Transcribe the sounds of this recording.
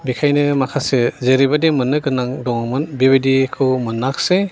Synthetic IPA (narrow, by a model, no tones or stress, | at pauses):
bikʰajnɯmakʰasezeɾibademɯnːɯɡɯnːaŋdɔŋɯmɯnbebedikʰɯwmɯnːakse